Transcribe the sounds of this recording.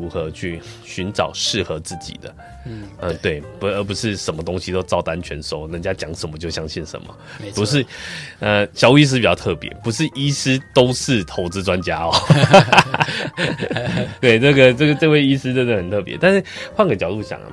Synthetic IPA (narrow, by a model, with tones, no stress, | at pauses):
u˧˥xɤ˧˦t͡ɕʰy˥˩ɕy˧˥nʈ͡ʂɑ̰˨˩ʊʂɻ̩˥˩xɤ˧˥t͡sɹ̩˥˩t͡ɕḭ˨˩d̪ə̰˦ | ə˧t̪we˥˩ɪpə˧˥p̬u˧˥ʂɻ̩˥˩ʂə˨˩nmə˦t̪o˥ŋɕi˧t̪o˥ʊt͡sɑ˥˩ʊt̪a˦˥nt͡ɕʰɥɛ˧˥nʂo˧˥ʊnə˧˥ŋt͡ɕja˦˥t͡ɕjɑ˧˥ŋʂə˨˩nmə˦t͡ɕjo˥˧ʊɕjɑ˥ŋɕi˥˩nʂə̰˧˦nmə̰˦pu˧˦ʂ̬ɻ̩˥˩ə˧ɕjɑ˨˥ʊu˧i˥s̬̩˥pt͡ɕɑ˥˧ʊt̪ʰɤ˥˩pjɛ̰˧˥˦pu˧˥ʂɻ̩˥˩ʔi˥sɹ̩˥t̪o˥ʊʂɻ̩˥˩t̪ʰo˧˥ʊt͡sɹ̩˧˥ʈ͡ʂwa˦nt͡ɕja˥ɔ˨˦ | t̪we˥˩ɪnə˥˩ɡə˩ʈ͡ʂə˥˩ɡə˩ʈ͡ʂɤ˥˧we˥˩ɪi˥sɹ̩˥t̪wd̪ə˧˩hə˨˩nt̪ʰɤ˥˩pjɛ̰˧˦t̪a˥˧nʂɻ̩˥˩xwa˥˧ŋɡə˩t͡ɕjɑ˨˩ʊt̪u˥˩ɕjɑ̰˨˩ŋə̰˦